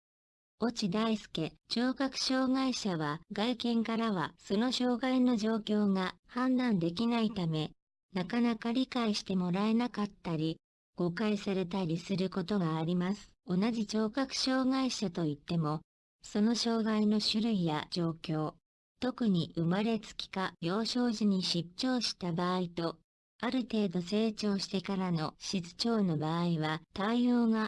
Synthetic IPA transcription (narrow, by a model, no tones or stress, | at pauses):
o̞t͡ɕid̪aisɨ̥ke̞t͡ɕoːkakɯ̟̥ɕo̞ːɡaiɕaβaɡaikẽ̞ŋkaɾaβ̞aso̞no̞ɕo̞ːɡaino̞ʑo̞ːkʲo̞ːŋa | hãnd̪ãnd̪e̞k̬ʲinait̪ame̞ | nakanakaɾʲikaiɕi̥t̪e̞mo̞ɾae̞nakat̪ːaɾʲi | ɡ̥o̞kaisaɾe̞t̪aɾʲisɨɾɯ̟ko̞t̪oɡaːɾʲimasɨ̥o̞naʑit͡ɕo̞ːkakɯ̟̥ɕo̞ːɡaiɕat̪o̞it̪ːe̞mo̞ | so̞no̞ɕo̞ːɡaino̞ɕɨɾɯ̟ijad͡ʑo̞ːkʲo̞ː | t̪o̞kɯ̟ɲ̟iʔɯ̟maɾe̞t͡sɨ̥kʲi̥kabjo̞ːɕo̞ːʑiɲ̟iɕitɕo̞ːɕi̥t̪abaːit̪o̞ | aɾɯ̟t̪e̞ːd̪o̞se̞ːt͡ɕo̞ːɕi̥t̪e̞kaɾano̞ɕit͡sɨ̥t͡ɕo̞ːno̞baːiβat̪aijo̞ːɡa